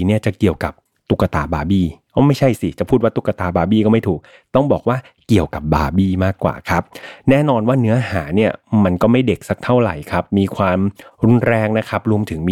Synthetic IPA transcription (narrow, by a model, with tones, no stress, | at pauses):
ni˥˩ɐt͡ɕa˨˩ki˨˩əwka˨˩p̚ | t̪u˨˩kːa˧t̪a̰ː˨˧˩baː˧biː˥˩ | ɔ˦˥˩ma˥˩jt͡ɕʰa˥˩jsi˨˩t͡ɕa˨˩pʰuː˥˩t̪̚waː˥˩t̪u˨˩kːa˧t̪aː˨˩baː˧biː˥˩kɔː˥˩ma˥˩jt̪ʰuː˨˩k̚ | t̪ɔ˥˩ŋbɔː˨˩k̚waː˥˩ | ki˨˩əwka˨˩p̚ba̰ː˧biː˥˩maː˥˩kːwa̰ː˨˩kʰa˦˥p̚nɛː˦˥˩nɔː˧nwaː˥˩nɯ˦˥ɐɦa̰ː˩˦ni˥˩ɐma˧nkɔː˥˩ma˥˩jde˨˩k̚sa˦˥k̚t̪ʰa˥˩wɾa̰˨˩jkʰa˦˥p̚miː˧kʰwaː˧mɾu˧˥nɾɛː˧ŋna˦˥kʰa˦˥p̚ɾu˧əmt̪ʰɯ˩˦ŋmiː˧